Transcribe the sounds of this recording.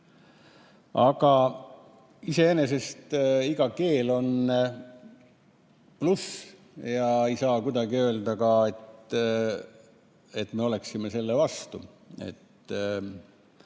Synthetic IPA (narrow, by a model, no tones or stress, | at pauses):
ɑɡ̥ɑ | ise̞ene̞s̬e̞st̪iɡ̥ɑke̞ːlo̞n | plus | jɑejsɑːkud̪ɑɡiø̞ːld̪ɑkɑe̞t̪ | e̞t̪ːme̞o̞le̞ksime̞se̞lːevɑst̪ṵ | e̞̰t̪ː